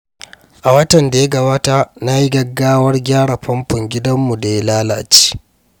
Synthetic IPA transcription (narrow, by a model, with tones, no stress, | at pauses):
ʔa˨wɐ˦tɐ˨nda˨ja˦ɡɐ˦baː˦taː˦na˦ji˦ɡɐ˨ɡːaː˦wɐ˦rɡʲaː˦ɽa˨ɸɐ˦mpʊ˨ŋɡʲɪ˦dɐ˦mːu˨da˨ja˦laː˦la˨t͡ʃi̥ː˦